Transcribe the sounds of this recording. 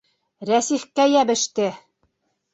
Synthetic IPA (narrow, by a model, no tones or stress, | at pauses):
ɾæsiχkæjæβɘ̆ʃt̪ɘ